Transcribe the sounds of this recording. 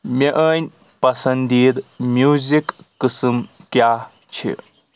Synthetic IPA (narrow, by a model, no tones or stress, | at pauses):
mʲeʔəːnʲ | pɐsɐnd̪iːɾmjuːzikːɨsɨmkja | t͡ʃʰḭ